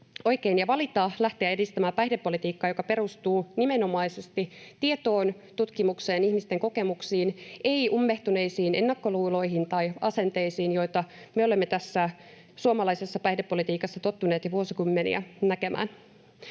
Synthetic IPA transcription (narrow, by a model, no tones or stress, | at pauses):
o̞jkeinjɑʋɑlit̪ɑːlæht̪eæedist̪æmæːpæjhdepːo̞lit̪iːkːɑːjo̞kɑpe̞ɾust̪uːnime̞no̞mɑisest̪it̪iet̪o̞ːn | t̪ut̪kimukse̞ːnihmist̪e̞ŋko̞ke̞muksiːne̞iumːe̞ht̪une̞isiːne̞nːɑkːo̞luːlo̞jɦint̪ɑjɑse̞nt̪e̞jsiːnjo̞jt̪ɑ | meo̞le̞mːet̪æsːæ | suomɑlɑise̞sːɑpæjhdepːo̞lit̪iːkɑsːɑt̪o̞t̪ːune̞ːt̪jɑʋuosikymːenḭæ̰næke̞mʔæ̰ːn